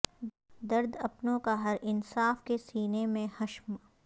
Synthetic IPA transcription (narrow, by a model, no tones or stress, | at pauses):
d̪ɐɾd̪ɐpnõkaɦɐɾɪnsaːfkesiːnemẽhɐʃm